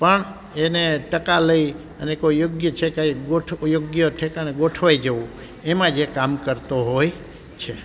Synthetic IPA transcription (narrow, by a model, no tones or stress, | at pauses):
pəɳ | eneʈəkaləi | ənekojoɡjət͡ʃʰekaɡoʈʰjoɡjəʈʰekañeɡoʈʰʋajd͡ʒəʋũ | emãd͡ʒekamkəɾt̪oɦoj | t͡ʃʰe